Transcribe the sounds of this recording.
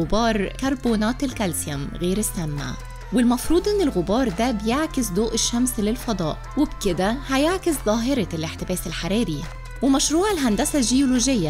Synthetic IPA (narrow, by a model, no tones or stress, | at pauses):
ʊbɑːɾˤkɑɾˤboːnɑːt̪ɪlkælsjæmɣeːɾɪsːæmːa̰ | wɪlmɑfɾuːd̪ˤʔɪnːelɣʊbɑːɾˤd̪æbjeʕkɪsd̪oːʔɪʃːæmslɪlfɑd̪ˤɑ̰ːʔwɪbkɪd̪æhæjeʕkɪsðˤɑːɦɪɾˤɑlʔeħt̪ɪbæːselħaɾiːɾɪ | wɪmæʃɾuːʕɪlɦænd̪æsæʒejoloːʒɪjːa